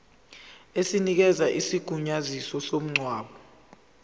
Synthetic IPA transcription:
esinik̬ɛzaʔisiɡ̥ʱuɲazisɔsom̩ŋ͡ǀwaːɓɔ

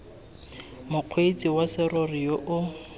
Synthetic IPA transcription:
mʊq͡χʰwet͡sʼiwasɪrɔrijoʔʊ

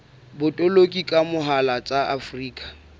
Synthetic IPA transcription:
bʊtʼɔlokʼikʼamʊɦalat͡sʼaʔafriːkʼḁ

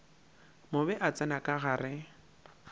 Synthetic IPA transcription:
mʊbɛʔat͡sʼɛnakʼaɣaːrɪ

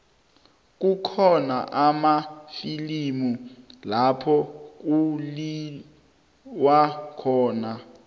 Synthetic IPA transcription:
k̬ʼukʰɔna̰ʔamafilimulapʰɔk̬ʼuli | wakʰɔːna

